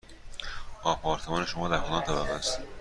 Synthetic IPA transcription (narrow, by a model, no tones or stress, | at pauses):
ʔɒːpʰɒːɾt̪ʰemɒːne̞ʃomɒːd̪æɾxolɒːnt̪ʰæbæɣæst̪